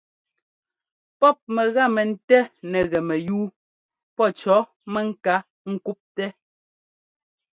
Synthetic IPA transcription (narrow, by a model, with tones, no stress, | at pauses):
pɔ˦p̚mɛ˨ɣa˦˨mɛ˨n̩˦tɛ˦nɛ˨ɣɛ˨mɛ˨juː˦ | pɔ˦t͡ʃɔ˨˦ | mɛ˦ŋ̩˦ka˦ | ŋ̩˨ku˦p̚tɛ˦